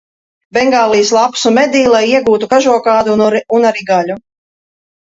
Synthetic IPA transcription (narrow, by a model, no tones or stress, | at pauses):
bɛŋɡaːlˠijslˠapsumɛd̪iːlˠajiɛɡuːt̪ukaʒuɔkaːd̪uunaɾiɡalʲu